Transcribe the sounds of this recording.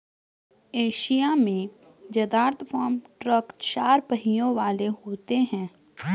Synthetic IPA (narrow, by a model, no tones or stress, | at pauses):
eːʃijamẽ | d͡ʒɐd̪aːɾt̪ʰfʰɔːɾmʈɾəkt͡ʃaːɾpəɦijõʋaːleɦoːt̪eɦɛ̃ː